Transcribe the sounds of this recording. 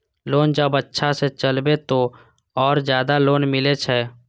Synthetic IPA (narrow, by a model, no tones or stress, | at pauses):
loːnd͡ʒəbətːʃʰaset͡ʃəlbet̪o | ɔːɾzjaːd̪aloːnmɪlet͡ʃʰɛː